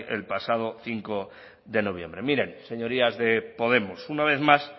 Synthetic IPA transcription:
ʔe̞̰lpasað̞o̞θiŋko̞ | ðe̞no̞β̞jẽ̞̰mbɾe̞miɾe̞nse̞ɲo̞ɾiazðe̞po̞ðe̞mosunaβe̞θmas

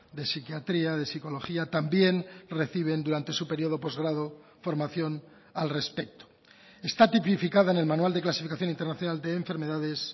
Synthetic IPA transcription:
d̪e̞sikjat̪ɾiaðe̞siko̞lo̞xiat̪ambje̞nre̞θiβ̞e̞nd̪uɾant̪e̞supe̞ɾio̞ð̞o̞po̞zɣɾaðo | fo̞ɾmaθjo̞n | alre̞spe̞k̚t̪o | e̞st̪at̪ipifikaðaene̞lmanuald̪e̞klasi̥fikaθjonint̪eɾnaθjo̞nald̪e̞ːɱfe̞ɾme̞ðaðe̞s

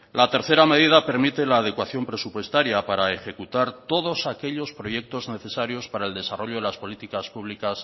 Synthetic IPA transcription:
lat̪e̞ɾθe̞ɾame̞ð̞iðape̞ɾmit̪e̞laːð̞e̞kwaθjo̞mpɾe̞supwe̞st̪aɾjapaɾae̞xe̞kut̪aɾt̪o̞ð̞o̞sake̞ʎo̞spɾo̞je̞k̚t̪o̞zne̞θe̞saɾjo̞spaɾaeld̪e̞saro̞ʎoelaspo̞lit̪ikaspuβ̞likas

